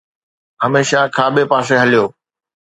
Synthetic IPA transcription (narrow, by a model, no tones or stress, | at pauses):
ɦəmeːʃakʰaːbepaːs̬eɦəlijoː